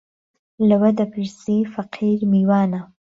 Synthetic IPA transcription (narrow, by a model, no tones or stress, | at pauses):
lawad̪apiɾsefaqʰiɾmiwɑːna